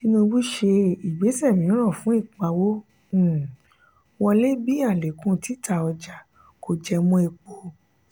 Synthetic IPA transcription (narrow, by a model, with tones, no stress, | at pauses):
nĩ˦nũ˧bu˦ʃe˧i˨ɡ͡be˨˦sɛ˦˨mĩ˨˦ɾ̃ã˦˨fũ˨˦i˦˨k͡pa˧wõ˦˨ | wɔ˧le˦bi˦a˦˨le˨kũ˧ti˨˦tʰa˧˨ɔ˧d͡ʒa˨ | ko˧˨d͡ʒɛ˧mũ˦e˧k͡po˧